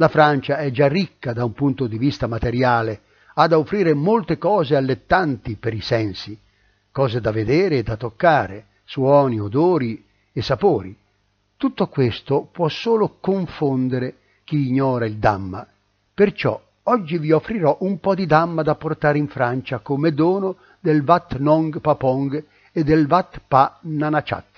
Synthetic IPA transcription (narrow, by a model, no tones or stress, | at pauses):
lafɾant͡ʃaɛd͡ʒarːikːad̪aumpunt̪od̪ivist̪amat̪eɾjaːle | ad̪aofɾiːɾemolt̪ekɔːzealːet̪ːant̪ipeɾisɛnsi | kɔːzed̪aved̪ɛːɾeːd̪at̪ːokːaːɾe | swɔːniod̪oːɾi | esːapoːɾḭ | t̪ut̪ːokwest̪opwɔsːoːlokoɱfond̪eɾe | k̟iːɲːɔːɾaild̪a̰mːa̰ | pert͡ʃɔ̰ | ɔd͡ʒːiviofːɾiɾɔʔumpɔd̪id̪amːad̪apːort̪aːɾiɱfɾant͡ʃakomed̪oːno | d̪elvat̪ːnɔŋɡpapɔŋɡ | ed̪ːelvat̪ːpananat͡ʃa̰t̪ː